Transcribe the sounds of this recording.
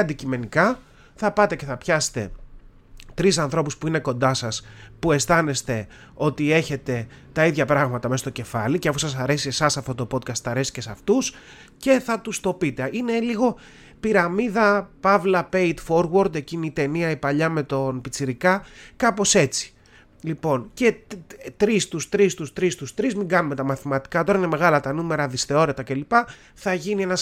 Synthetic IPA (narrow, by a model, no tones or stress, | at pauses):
ɐnd̪icime̞nikɐ | θɐpɐt̪e̞ce̞θɐpçɐse̥t̪e̞ | t̪ɾisɐnθɾo̞puspuine̞ko̞nd̪ɐsɐspue̞st̪ɐne̞st̪e̞ | o̞t̪ie̞çe̞t̪e̞ | t̪ɐiðʝɐpɾɐɣmɐt̪ɐmest̪oce̞fɐliceɐfusɐs̬ɐɾe̞sie̞sɐsɐft̪o̞t̪o̞po̞t̪̚kɐst̪θɐɾe̞sice̞sɐft̪us | ce̞θɐt̪ust̪o̞pit̪e̞ine̞liɣo̞ | piɾɐmiðɐpɐvlɐpeit̪fo̞ɾwoɾd̪e̞ciniːt̪e̞niɐipɐʎɐme̞t̪o̞npit͡siɾikɐkɐpo̞se̞t͡si̥ | lipo̞nce̞t̪ɾist̪ust̪ɾist̪ust̪ɾist̪ust̪ɾizmiɡɐnume̞t̪ɐmɐθimɐt̪i̥kɐt̪o̞ɾɐine̞me̞ɣɐlɐt̪ɐnume̞ɾɐðisθe̞o̞ɾe̞t̪ɐce̞lipɐ | θɐʝinie̞nɐs